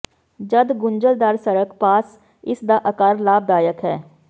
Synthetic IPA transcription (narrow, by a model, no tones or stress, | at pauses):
d͡ʒəd̪ɡʊnd͡ʒəld̪aːɾsəɾəkpaːs | ɪsd̪aːʔəkaːɾlaːb̚d̪aːjəkɦɛː